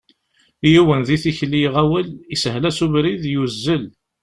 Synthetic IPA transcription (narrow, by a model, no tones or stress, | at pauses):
juwənðiθiçliʁæwəlisəɦlæsuvɾiðjuzːəl